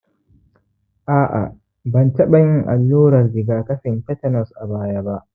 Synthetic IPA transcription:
ʔaː˦ʔa̰˨ | bɐ˨ntɐ˦ɓɐ˨jɪ˦ŋʔa˨lːuː˦ɾɐ˨rdɪ˨ɡaː˨tɐ˦ɸɪ˨npɛ˦tɐ˦nɔ˨sʔa˨baː˦ja˦ba˦ʔ

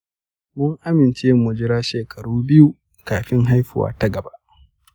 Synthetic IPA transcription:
mʊ˦ŋʔa˦mɪ˨nt͡ʃeː˦mːʊ˨d͡ʒɪ˦ɾaː˦ʃeː˨kʰɐ˨ɽuː˦bɪ˦ju˦ | kaː˨ɸɪ˦ŋɦa˦jɸɪ˨wa̰ː˦ta˦ɡɐ˨ba˦ʔ

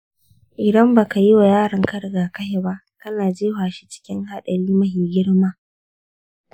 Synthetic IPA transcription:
ʔɪ˨dɐ˦mbaː˨ka˨ji˦wa˨jaː˦ɽɐ˨ŋkɐ˦ɽɡaː˨kɐ˦ʃe˨ba˦ʔ | kɐ˦naː˨d͡ʒeː˦haː˨ʃi̥˦t͡ʃɪ̥˦kʲɪ˦ŋɦa˦˨ɗɐ˨ɽiː˦mɐ˦ɦiː˨ɡʲɪ˦ɽmaː˦

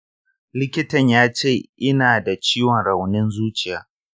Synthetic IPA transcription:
lɪ˦kʲɪ˦tɐ˨ɲjaː˦t͡ʃeː˦˨ʔɪ˦naː˨da˨t͡ʃiː˦wɔ˨nɾɐ˨wnɪ˦nzuː˦t͡ʃɪ˨jaː˦

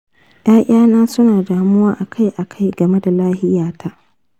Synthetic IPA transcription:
j̰ʔaː˦ʔʲʼaː˦naː˦sʊ˦naː˨daː˨mʊ˦waː˦ʔa˨kʰa˦jʔa˨kʰa˦jɡɐ˨me˦da˨laː˦hɪ˦jaː˨tʰa˦ʔ

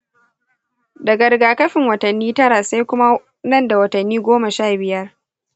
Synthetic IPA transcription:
dɐ˨ɡɐ˨ɾɡaː˨kɐ˦ɸɪ˨ŋwɐ˨tɐ˨nːiː˦tɐ˦ɾa˨sa˦jkʷʊ˦ma˦ | nɐ˦˨nda˨wɐ˨tɐ˨nːiː˦ɡʷoː˦ma˨ʃaː˦˨bɪ˨jɐ˦r

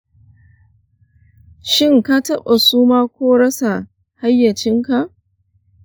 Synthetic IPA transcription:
ʃɪ˦ŋka˦tɐ˦ɓa˨suː˦maː˦kʷoː˦ɽɐ˦sa˨ | ha˦jːɐ˨t͡ʃɪ˦ŋka˨ʔ

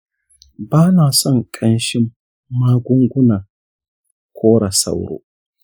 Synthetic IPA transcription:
baː˦naː˨sɔ˦˨ŋkʼʰɐ˦nʃi˦mː | a˦ɡʷu˦ŋɡʷʊ˦na˨ | kʰʷoː˦ɽa˨sa̰˦˨wɾo̰ː˦

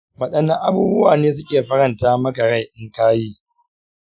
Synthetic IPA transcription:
wɐ˨ɗɐ˦nːɐ˦ʔa˦buː˦bʊ˦waː˨neː˦s̬ʊ˦kʲeː˨ɸɐ˦ɾɐ˨ntaː˦mɐ˦ɡɐ˨ɾa˦˨ʔɪ˦ŋkaː˦jiː˦

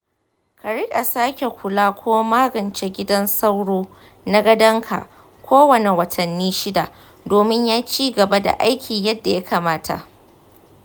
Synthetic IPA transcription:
kʰa˨ɽɪ˦kʼa˨saː˦kʲe˨kʷʊ˨laː˦kʷoː˦maː˦ɡɐ˨nt͡ʃe˦ɡʲɪ˦dɐ˦nsa˦wɽoː˦ | na˦ɡɐ˦dɐ˦ŋkʰa̰˨ | kʷoː˦wɐ˨ne˨wɐ˨tʰɐ˨nːiː˦ʃɪ˦da˨ʔ | doː˨mɪ˦ɲjaː˦t͡ʃiː˦ɡɐ˨ba˦da̰˨ʔa˦jkʲʰiː˨jɐ˦dːa˨ja˦kaː˨maː˦tʰa̰˨ʔ

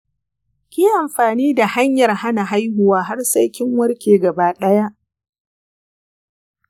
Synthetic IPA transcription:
kʲiː˦ʔa˨mɸaː˨niː˦da˨ha˦ɲjɐ˨rha˦na˨ɦa˦jɦʊ˨waː˦ɦa˦rsɐ˦jkʲɪ˦ŋwɐ˦rkʲeː˨ɡɐ˨baː˦ɗɐ˦ja˦ʔ

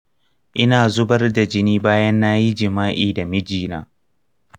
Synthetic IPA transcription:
ʔɪ˦naː˨zʊ˦bɐ˦rda˨d͡ʒɪ˦niː˦baː˦jɐ˦nːaː˦ji˦d͡ʒɪ˨maː˦ʔiː˨da˨mɪ˦d͡ʒiː˨na̰ː˦

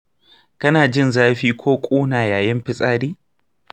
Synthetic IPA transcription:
kɐ˦naː˨d͡ʒɪ˦˨nzaː˦ɸiː˦kʷʰoː˦kʷʼuː˦naː˨jaː˨jɪ˦mɸɪ˦sʼaː˦ɾiː˦

